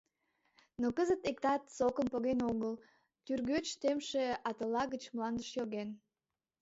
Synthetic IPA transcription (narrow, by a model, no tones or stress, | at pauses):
nokəzət̪ek̚t̪ɑt̪sokəmpoɣenoɣəl | t̪yrɣøt͡ɕt̪emʃeɑt̪əlːɑɣət͡ɕmlɑnd̪əʃjoɣen